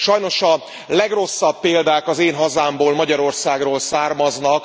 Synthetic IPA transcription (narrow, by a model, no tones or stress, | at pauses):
ʃɒjno̞ʃɒ | lɛɡro̞sːɒpːeːld̪aːkɒzeːnɦɒzaːmboːlmɒɟɒɾo̞rsaːɡroːlsaːrmɒznɒk